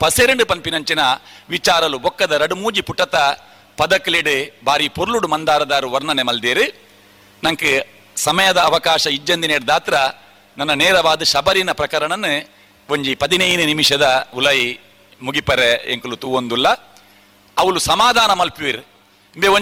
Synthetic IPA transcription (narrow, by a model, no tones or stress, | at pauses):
pɐseːɾeɳɖupɐnpinɐɲt͡ʃinɐʋit͡ʃaːɾɐlubɔkːɐd̪ɐɾɐɽumuːd͡ʒipuʈːɐt̪ɐ | pɐd̪ɐkːɐliɽɨbʱaːɾipoɾuluɽumɐnd̪aːɾɐd̪aːɾuʋɐɾnɐnemɐld̪eːɾi | nɐŋkɨ | sɐmɐjɐd̪ɐːʋɐkaːʂɐid͡ʒːɐnd̪ineːɽd̪aːt̪ɾɐ | nɐnːɐnɛːɾɐʋaːd̪ɐʃɐbɐɾinɐpɾɐkɐɾɐɳɐnːɨ | ʋoɲd͡ʒipɐd̪inɐjinunimiʂɐd̪ɐulɐji | muɡipɐɾeḛŋkulut̪uʋond̪ulːɐ | ɐʋulusɐmaːd̪ʱaːnɐmɐlpuʋiɾ | mbeo